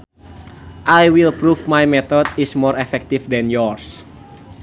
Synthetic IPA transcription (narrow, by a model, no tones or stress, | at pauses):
ʔajwilpɾufmajmɛt̪ɔdismɔɾɛfɛk̚t̪ifdɛnjɔrs